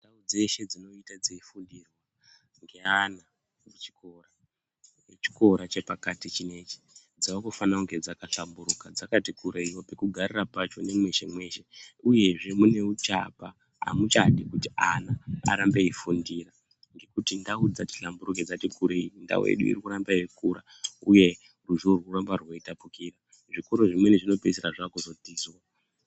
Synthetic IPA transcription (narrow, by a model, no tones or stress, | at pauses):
ndaud͡ze̞ʃe̞d͡zino̞itad͡ziifundirwa | ŋɡe̞ana | mut͡ʃi̥ko̞ra | jet͡ʃi̥ko̞ɾat͡ʃe̞pakatit͡ʃine̞t͡ʃi̥ | d͡zaokofanakuŋɡe̞d͡zakaɬambuɾukad͡zakatikʰuɾeiwo̞pe̞kuɡʱarirapat͡ʃo̞ne̞mwe̞ʃe̞mwe̞ʃe̞uje̞ʐe̞mune̞ut͡ʃa̰pa | a̰mut͡ʃaɗikutianaa̰ɾambe̞ifundiːra | ŋɡe̞kutindaud͡zati̥ɬambuɾuked͡zatikʰuɾeinda̰wḛɗṵḭrikuɾambaiwekuːɾa | uje̞ | ruʒuurwurambarwo̞itapukiːra | ʐikuɾoʐimwe̞neʐino̞peseɾaʐakuzo̞tiːzwa